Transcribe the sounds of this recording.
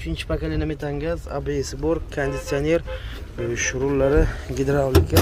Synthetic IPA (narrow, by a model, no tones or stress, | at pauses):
ʊt͡ʃʰɪnt͡ʃʰɪ̥pakalʲenamit̪ʰaŋɡʲaza̰bɪesboɾkkʰond̪ɪt̪sione̞ɾ | ʃʊɾʊlːaɾɪɡʲed̪eɾawlɪkʲʰa